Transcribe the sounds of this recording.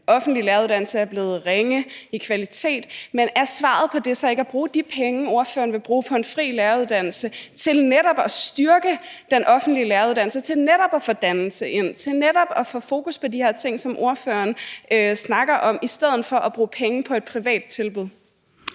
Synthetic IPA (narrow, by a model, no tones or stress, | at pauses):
ʔɒ̽fn̩d̥lilæɐuðˠd̥æn̰l̩səæɐb̥le̝ːð̞̩ˠʁeŋəikʰʋælit͡sʰe̝̰ːd̥menæɐsʋɑ̰̈ð̩ˠpʰɒ̽d̥e̝sɒe̝ɡ̥æb̥ʁuːd̥ipʰeŋəo̝ɐfø̰ːɐn̩ʋe̝b̥ʁuːpʰɒ̽e̝nfʁḭːlæɐuðˠd̥æn̰l̩sət͡sʰe̝lneɾɒ̽b̥ɒsd̥yɐɡ̥ə | d̥enʔɒ̽fn̩d̥lilæɐuðˠdæn̰l̩sət͡sʰe̝lneɾ̥ɒb̥ɒfɒd̥ænl̩səʔe̝n̰t͡sʰe̝lneɾɒ̽b̥ɒ̽fɔ̽fo̝ːkuspʰɒ̽diheɐ̰t͡sʰe̝ŋ̰sɒ̽mʔo̝ɐføɐnøsnɑ̈ɡ̥ɐʔɒ̽misd̥eð̞̰ˠn̩fɒ̽ʔæb̥ʁuːpʰeŋəpʰɒ̽e̝d̥̚pʰʁiʋɛ̰ːd̥̚t͡sʰe̝lb̥uð̞ˠ